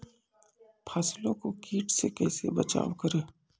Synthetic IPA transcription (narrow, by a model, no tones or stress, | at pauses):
pʰaːslõkokiːʈsekɛːsebət͡ʃa̰ːwkəɾeː